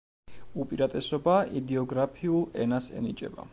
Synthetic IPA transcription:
upʼiɾat̪ʼɛsɔbaid̪ɛɔɡɾapʰiulˠɛnasɛ̰nit͡ʃʼɛ̰ba̰

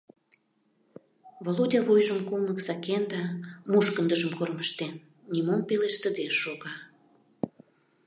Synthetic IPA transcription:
volodʲɑvojʒəmkunəksɑkend̪ɑmuʃkənd̪əʒəmkorməʃt̪enːʲ | imompeleʃt̪əd̪eʃoɣɑ

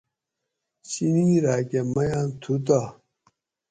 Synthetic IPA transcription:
ɕiniɾaːkemɐjãːnt̪ʰut̪̬a

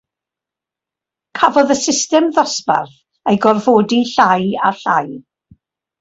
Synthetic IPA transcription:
kʰavɔðəsɪstɛmðɔspa̰rθ | ejɡɔrvoːdiɬaja̰ɬaj

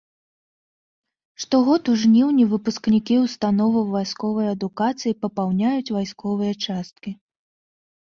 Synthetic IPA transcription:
ʂt̪ɔɣɔt̪uʐnʲiwnʲivɨpusknʲikʲiwst̪anɔvɐwvajskɔvɐjɐd̪ukat̪sɨjipɐpawnʲajut͡sʲvajskɔvɨjɐt͡ʂast̪̚kʲi

